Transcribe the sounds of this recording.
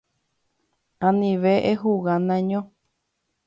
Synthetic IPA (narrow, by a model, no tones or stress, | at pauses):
ãnĩβeʔeɦuɣanãɲõ